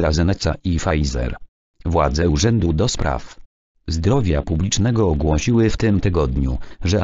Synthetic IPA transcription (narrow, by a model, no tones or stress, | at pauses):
ɾazɛnɛt̪saʔifajzɛ̰ɾ | vwa̰d̪zɛuʐɛnd̪ud̪ɔspɾa̰f | zd̪ɾɔvʲjapublʲit͡ʂnɛɡɔːɡwɔɕiwɘft̪ɘmt̪ɘɡɔd̪ɲṵʐɛ